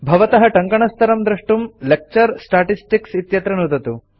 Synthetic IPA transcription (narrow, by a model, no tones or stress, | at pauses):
bʱɐʋɐt̪ɐɦɐʈɐŋkɐɳɐst̪ʰɐɾɐmd̪ɾɐʂʈumlek̚t͡ʃɐɾsʈaːʈisʈiksit̪jɐt̪ɾɐnud̪ɐt̪u